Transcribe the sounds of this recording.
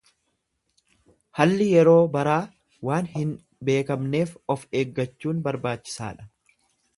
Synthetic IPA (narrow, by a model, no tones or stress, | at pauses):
hɐlːɪjɛɾo̞ːbɐɾaː | waːnhɪn | be̞ːkɐmne̞ːfɔfe̞ːɡːɐt͡ʃːuːnbɐɾbaːt͡ʃːɪ̥sa̰ːᶑɐ̥